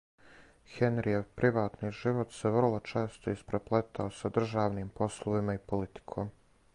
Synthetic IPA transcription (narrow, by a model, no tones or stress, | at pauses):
xenɾieʋpɾʔiʋaːt̪niːʒiʋot̪seʋr̩lˠo̞t͡ʃeːst̪oispɾeplet̪ʰaosad̪r̩ʒaːʋniːmpo̞slˠoʋimaipolit̪i̥kʰoːm